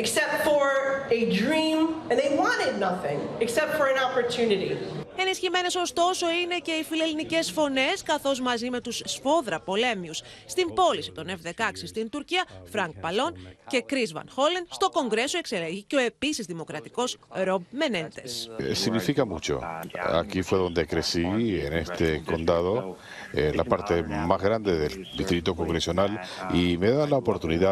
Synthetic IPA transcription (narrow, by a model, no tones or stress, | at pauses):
ɨksɛp̚tfə˞ɨdɹĩmɨ̃nðeɪwɑ̃ɾɪdⁿnʌθɪ̃ŋɨksɛp̚tfə˞ɨ̃nɑpə˞tʰʉnɨɾḭe̞nisçime̞ne̞so̞st̪o̞so̞ine̞ce̞ifile̞linice̞sfo̞ne̞skɐθo̞zmɐzime̞t̪ussfo̞ðɾɐpo̞le̞mius | st̪imbo̞lisi̥t̪o̞ne̞fðe̞kɐksist̪int̪uɾciɐfɾɐŋk̚pɐlo̞nce̞kɾizvɐ̰nxo̞lenst̪o̞ko̞ŋɡɾe̞soe̞kse̞leʝiceo̞e̞pisizðimo̞kɾɐt̪iko̞sɾo̞b̚me̞ne̞nt̪e̞ssiɣnifikamut͡ʃo̞̰a̰kifwe̞ðo̞nd̪e̞kɾe̞sienest̪eko̞nd̪aðo̞ | la̰paɾt̪e̞mazɣɾand̪eðeld̪ist̪ɾit̪oko̞ŋɡɾesionalimeðalaopo̞ɾt̪uniða